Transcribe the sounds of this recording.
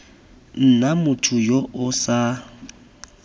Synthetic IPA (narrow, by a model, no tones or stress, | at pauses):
n̩namʊtʰʊjoʔʊsa